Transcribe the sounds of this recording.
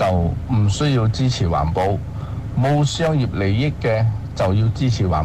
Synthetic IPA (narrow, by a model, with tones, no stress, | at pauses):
t͡sɐ˨wm̩˨˩sɵ˥ɥji˧wt͡siː˥t͡sʰiː˨˩wa̰ː˨˩npo˧w | mo˧wsœː˥ŋjiː˨p̚le˨˩jːɪ˥kːɛː˧t͡sɐ˨wjiː˧wt͡siː˥t͡sʰiː˨˩wa̰ː˨˩